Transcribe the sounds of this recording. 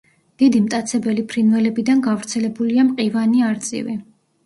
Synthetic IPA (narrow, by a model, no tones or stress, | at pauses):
d̪̥id̪imt̪ʼat̪sʰɛbɛlipʰɾinvɛlɛbid̪anɡavɾt̪sʰɛlɛbuliamqʼivaniaɾt̪sʼḭvi